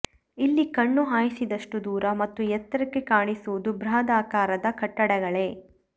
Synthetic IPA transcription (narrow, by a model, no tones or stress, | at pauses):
ilːikɐɳːuɦaːjisid̪ɐʂʈud̪uːɾɐmɐt̪ːujɛt̪ːɐɾɐkːekaːɳisuʋud̪ubɾaːd̪aːkaːɾɐd̪ɐkɐʈːɐɽɛɡɐɭe̞ː